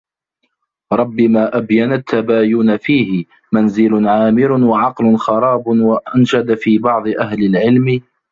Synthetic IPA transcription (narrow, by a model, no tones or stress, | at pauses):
ɾˤɑbːɪmaːʔabjanat̪ʰːabaːjʊːnafiːhɪ | manzɪlʊnʕaːmɪɾʊwaʕɑqlʊnxɑɾˤɑːbʊwaʔanʃad̪afiːbɑʕd̪ˤɨʔahlɪlʕɪlmɪ